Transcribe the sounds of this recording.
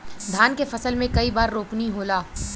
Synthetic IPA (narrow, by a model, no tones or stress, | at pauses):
d̪ʱaːnkefɐsəlmẽkɐibaːɾːoːkniɦoːlaː